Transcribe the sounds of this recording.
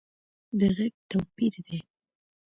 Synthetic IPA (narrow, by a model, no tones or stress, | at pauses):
d̪əɣeɡ̚t̪awpiɾd̪e